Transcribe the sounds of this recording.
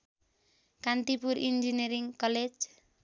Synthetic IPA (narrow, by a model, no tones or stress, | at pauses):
kant̪ipuɾʔḭnd͡ʒeneɾɪŋkɔle̥d͡ʒ